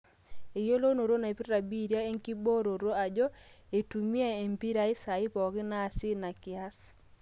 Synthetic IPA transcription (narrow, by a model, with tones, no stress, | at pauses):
e˨jo˦lo˦no˨ɾo˦na˨e˨pi˦ɾa˨bi˦ɾja˦e˦ŋki˦bo˦ɾo˨ɾo˦a˨d͡ʒɔ˦e˨tu˨mi˦a˦e˨mpi˦ɾa˨ɪ˦sa˨ɪ˦pɔ˨kɪ˦na˦˨sɪ˦na˨kɪ˨a˦s